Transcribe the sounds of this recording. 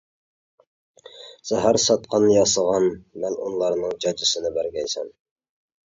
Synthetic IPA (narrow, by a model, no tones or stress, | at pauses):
z̥æɦæɾsɑt̪̚qʰɑnɨjɑsəʁɑnmɛnṵnlˠɑɾnɨŋd͡ʒɑd͡ʒɪsɨnɪbæɾɡʲɛjsɛ̰n